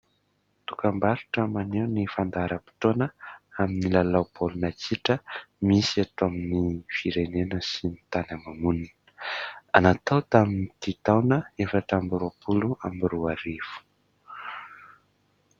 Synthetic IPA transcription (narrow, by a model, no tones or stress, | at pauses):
t̪ukambaɾuʈ͡ʂəmanewnifand̪aɾəpi̥t̪onəaminilalawpolunat͡siʈ͡ʂəmisiat̪oaminifiɾenenəsinit̪anamamunin | anat̪awt̪aminit̪it̪awnəefaʈ͡ʂambɾuapuluambiɾuaɾifu̥